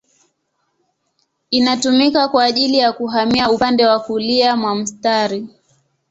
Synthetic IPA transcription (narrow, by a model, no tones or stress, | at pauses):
inatumikakwaːʄilijakuɦamiaupandɛwakuliamwam̩staɾi